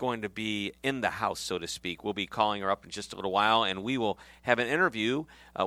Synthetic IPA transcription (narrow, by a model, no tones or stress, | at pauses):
ɡ̥oʊɪ̃ŋtɨbiɪ̃nðɨhaʊsoʊɾɨspikwilˠbikʰɔlˠɪ̃ŋə˞ʌpn̩d͡ʒʌstəlɪɾl̩ˠwaɪlˠɨ̃nwiwɪlˠɨvɨ̃nɪ̃ɾ̃ə˞vjʉ